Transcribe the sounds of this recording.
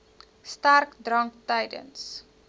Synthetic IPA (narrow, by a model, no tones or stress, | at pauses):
starkdrɐŋk̚tɐjdə̰ns